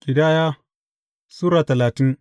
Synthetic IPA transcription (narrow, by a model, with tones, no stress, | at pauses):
kʲʼɪ˨daː˦jaː˦ | suː˦ɾaː˨tɐ˨laː˨tɪ˦n